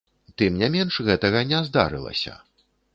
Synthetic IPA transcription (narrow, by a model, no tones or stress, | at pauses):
t̪ɨmnʲamʲɛnʂɣɛt̪ɐɣɐnʲɛzd̪a̰ɾɨ̰lˠɐ̰sʲɐ̰